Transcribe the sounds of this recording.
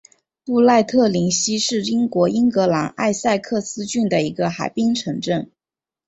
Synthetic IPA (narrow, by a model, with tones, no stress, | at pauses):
pu˥˧la˥˧ɪt̪ʰɤ˥˩li˧˥ŋɕi˥ʂɻ̩˥˩i˥ŋkwɔ˧˥i˥ŋkɤ˧˥la˧˥na̰˥˧ɪsa˥˧ɪkʰɤ˥˩sɹ̩˥t͡ɕy˥˩nd̪ə˩i˧˥ɡə˧xa˨˩ɪpi˥ŋʈ͡ʂʰɤ˧˥ŋʈ͡ʂə˥˩ŋ